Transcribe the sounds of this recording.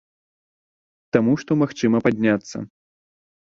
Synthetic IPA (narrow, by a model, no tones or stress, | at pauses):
t̪amuʂt̪ɔmaxt͡ʂɨmɐpad̪ʲnʲat̪sːɐ̰